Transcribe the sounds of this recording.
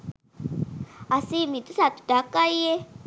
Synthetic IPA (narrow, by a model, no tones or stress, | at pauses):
asimit̪ʼusat̪u̥d̥akʼaie